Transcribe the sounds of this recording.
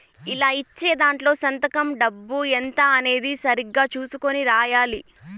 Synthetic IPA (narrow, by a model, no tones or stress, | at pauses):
ilaːit͡ʃːe̞ːd̪aːɳʈlo̞ːsɐnt̪ɐkɐmɖɐbːuent̪ɐɐne̞ːd̪isɐɾiɡːaːt͡ʃuːsukoniɾaːjaːli